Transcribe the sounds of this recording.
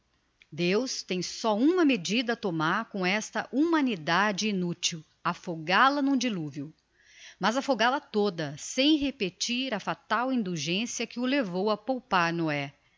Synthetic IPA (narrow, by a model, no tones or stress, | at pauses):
d̪ewst̪ẽj̃sɔũmɐmed͡ʒid̪ɐːt̪omaɾkõw̃ɛst̪ɐʔumɐ̃nid̪ad͡ʒɪinut͡ʃiw | afoɡalɐnũd͡ʒiluviu | mɐzɐfoɡalɐt̪od̪ɐsẽj̃ɦepet͡ʃiɾɐfat̪awĩnd̪uʒẽsiɐkɪʊlevowɐpowpaɾnoɛ